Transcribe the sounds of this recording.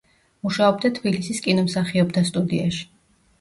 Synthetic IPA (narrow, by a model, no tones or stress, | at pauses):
muʃaɔb̚d̪at̪ʰbilisiskʼinɔmsaχiɔbd̪ʰast̪ʼud̪iaʃi̥